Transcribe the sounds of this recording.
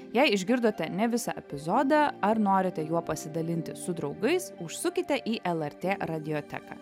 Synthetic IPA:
jɛɪɪʒʲɡʲɪɾd̪oːt̪ʲɛnʲɛʋʲɪsɑʔɛpʲɪzoːd̪ɐɐɾnoːɾʲɪt̪ʲɛjuɔpɐsʲɪd̪ɐlʲɪnʲt̪ʲɪsʊd̪ɾɒʊɡɐɪsʊʃsʊkʲɪt̪ʲɛʔiːʔɛlˠɛɾʲt̪ʲeːɾɐd̪ʲɪjoːt̪ʲɛ̰kɑ̰ː

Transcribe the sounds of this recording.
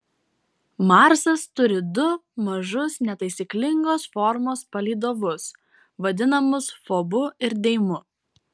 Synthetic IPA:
mɑɾsɐst̪ʊɾʲɪd̪ʊmɐʒʊsnʲɛt̪ɐɪsʲiklʲɪŋɡoːsfɔɾmoːspɐlʲiːd̪oːʋʊs | ʋɐd̪ʲɪnɐmʊsfoːbʊɪɾd̪ʲɛɪmʊ

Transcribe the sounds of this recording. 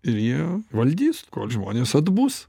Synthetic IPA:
ɪɾjiɛʋɐlʲd̪ʲiːskoːlʲʒmoːnʲeːsɐd̪buːs

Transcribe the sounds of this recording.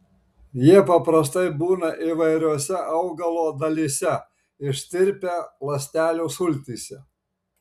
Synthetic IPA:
jiɛpɐpɾɐst̪ɐɪbuːnɐʔiːʋɐɪɾʲuɔsʲɛʔɐʊɡɐlˠoːd̪ɐlʲisʲɛ | ɪʃʲt̪ʲɪɾʲpʲeːlˠɐsʲt̪ʲæːlʲuːsʊlʲt̪ʲiːsʲɛ

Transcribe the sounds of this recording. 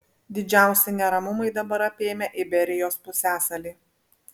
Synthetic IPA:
d̪ʲɪd͡ʒʲæˑʊsʲɪnʲɛɾɐmʊmɐɪd̪ɐbɐɾɐpʲeːmʲɛʔɪbʲɛɾʲɪjoːspʊsʲæːsɐlʲiː

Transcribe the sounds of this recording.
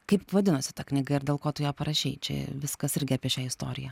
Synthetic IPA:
kɐɪpʋɐd̪ʲɪnʊsʲɪ̥t̪ɐknʲɪɡɐɪɾdʲeːlˠkoːt̪ʊjoːpɐɾɐʃʲɛɪt͡ʃʲɛ̰ʋʲɪskɐsɪɾʲɡʲɪɐːpʲiɛʃʲɛːɪst̪oːɾʲɪjɛ

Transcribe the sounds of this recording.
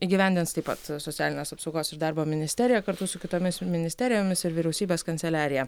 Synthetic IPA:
iːɡʲiʋʲɛnʲd̪ʲɪnt̪st̪ɐɪpɐ̰t̪sot̪ʲæːlʲɪnʲeːsɐpsɒʊɡoːsɪɾd̪ɑɾboːmʲɪnʲɪsʲt̪ʲɛːɾʲɪjɛkɐɾt̪ʊsʊkʲɪt̪oːmʲɪsmʲɪnʲɪsʲt̪ʲɛːɾʲɪjoːmʲɪsɪɾʋʲɪɾʲɛʊsʲiːbʲeːskɐnʲt̪ʲɛlʲæːɾʲɪjɛ

